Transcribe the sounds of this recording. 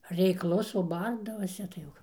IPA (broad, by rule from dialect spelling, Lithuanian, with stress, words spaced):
rʲɛɪkˈlˠʊs oː ˈbɐrdɐʋɐsʲɛ tɐɪ ˈjɛʊ